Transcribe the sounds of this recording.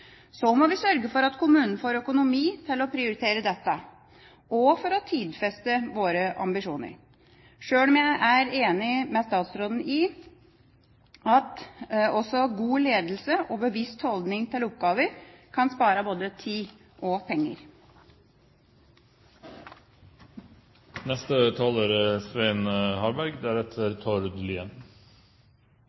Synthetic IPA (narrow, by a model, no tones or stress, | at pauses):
sɔmɔʋɪsœɾɡəfɔɾɑt̪kʰʊmʉːnn̩foːɾœkʊnʊmiːt̪ʰɪlɔpʰɾɪʊɾɪt̪ʰeːɾəd̪ɛt̪ːə | ɔfɔɾɔt̪ʰiːd̪fɛst̪əʋoːɾəʔɑ̰mbɪʂuːnə̰ɾ | ʂøːlɔmjæɪʔæɾeːnɪmɛst̪ɑːt̪sɾoːd̪n̩ɪ | ɑt̪ɔsɔɡuːleːd̪l̩səʔɔbəʋɪst̪hɔld̪nɪŋt̪ʰɪlʊp̚ɡɑːʋəɾkʰɑnspɑːɾəboːd̪ət̪ʰiː | ʔɔpʰɛŋːə̰ɾ | nɛst̪ət̪ʰɑːloːɾəsʋeɪnhɑɾbæɾɡd̪ææɾɛt̪ʰəɾt̪ʰɔɾd̪liən